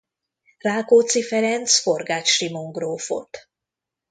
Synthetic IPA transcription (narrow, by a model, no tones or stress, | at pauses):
raːkoːt̪sifɛɾɛnt̪sfo̞rɡaːt͡ʃʃrimoŋɡroːfo̰t̪